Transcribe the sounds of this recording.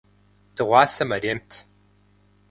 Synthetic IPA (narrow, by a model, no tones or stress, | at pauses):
d̥ɨʁʷɑːsɐmɐɾeːmtʰ